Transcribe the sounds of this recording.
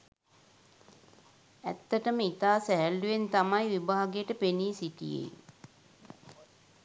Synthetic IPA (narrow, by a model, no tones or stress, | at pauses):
æ̰t̪ːəʈəməit̪aːsæɦælːuʋent̪amajʋibaːaɡejʈəpeniːsiʈḭjḛj